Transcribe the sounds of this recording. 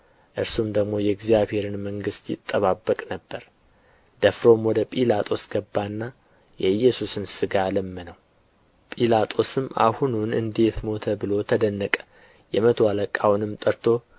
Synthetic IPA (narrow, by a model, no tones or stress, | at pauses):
ʔɨɾsumd̪əɡmo̞jɛɡzijaβhe̞ɾɨnməŋɡɨst̪jɪ̰t̪ʼːəβabːəkʼnəbːəɾ | d̪̥əfɾo̞mwɔd̪əpʼilat̪ʼo̞sɡəbːanːa | jɛjːɛsusɨnsɨɡalɨmːɨnəw | pʼilat̪ʼo̞sɨmːʔa̰hununɨ̰nd̪e̞t̪mo̞t̪ʰəbɨlo̞t̪ʰəd̪ənːəkʼə̥ | jɛmət̪ʰwaləkʼːawnɨmt̪ʼəɾt̪ʰo̞